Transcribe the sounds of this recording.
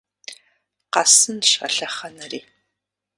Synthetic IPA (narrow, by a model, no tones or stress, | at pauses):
qɑsɨnɕɐ̰ɬɐχɐnɐriː